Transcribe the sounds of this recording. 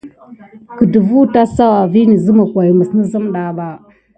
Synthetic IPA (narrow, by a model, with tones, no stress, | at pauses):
kə˨də˨vu˦ta˦sa˦wa˨vi˦ni˨zə˦ma˨kʷa˨ji˨mə˨snə˦zə˦mɗa˨ba˦